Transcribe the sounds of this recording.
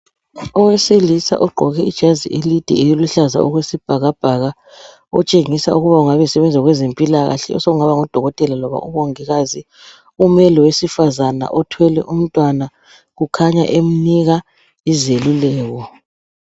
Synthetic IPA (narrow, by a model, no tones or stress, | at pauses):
ɔweselisa̰ʔɔɡ͡ǃʱɔɣɛid̥ʒ̥ʱaziʔelid̥ʱɛ̰ejiluɬaza̰ɔ̰ɣwesib̥ʱaɣab̥ʱaɣa | ɔt͡ʃʼeŋisauɣuβauŋaβɛsɛβɛnd͡zʱaɣwezempʼilaɣa̰ɬɛ̰ɔ̰sɔɣuŋaβaŋɔd̥ʱɔɣɔtʼɛlalɔβa̰uβɔŋiɣazi | umɛlɛwesifazana̰ʔɔtʰwɛlɛʔum̩tʼwana | ɣukʰaɲa̰ʔem̩niɣa | izelulɛːɣɔ